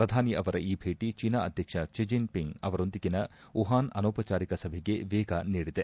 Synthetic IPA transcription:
pɾɐd̪ʱaːniʔɐʋɐɾɐʔiːbʱeːʈit͡ʃinɐɐd̪ʱjɐkʂɐʃid͡ʒinpiŋɡɐʋɐɾo̞nd̪iɡinɐuɦaːnɐ̰noːpɐt͡ʃaːɾikɐsɐbʱeɡe̞ʋeːɡɐniːɽid̪e

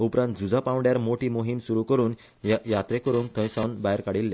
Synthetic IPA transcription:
upɾãnt̪̚d͡zud͡zʱapãwɳɖjaɾmoʈiːmoɦimsuɾukəɾuːn | jat̪ɾẽkəɾuːnt̪ʰə̃j̃sãwnbajɾkaɽilːẽ

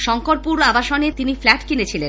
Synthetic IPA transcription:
ʃɔŋkoɾ̚puɾabaʃonet̪iniflɛʈkinet͡ɕʰilen

